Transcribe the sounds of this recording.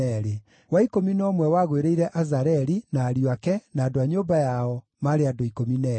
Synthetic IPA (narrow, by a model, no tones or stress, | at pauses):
ɛɾe | waikominɔːmwɛwaɣweɾeiɾɛʔazaɾɛɾinaːɾjakɛnaːdoaɲobajaɔ | maɾeadoikominɛ